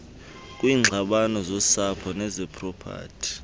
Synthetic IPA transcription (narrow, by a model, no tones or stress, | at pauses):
k̬ʼwiːŋ͡ǀʱaɓanɔzɔsapʰɔnɛzɛpʰʼrɔpʰa̰ːtʰi̥